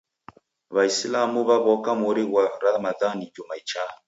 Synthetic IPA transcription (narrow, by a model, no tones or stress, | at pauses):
βajsilamuβaβɔkamoɾiwaɾamaðanid͡ʒomait͡ʃa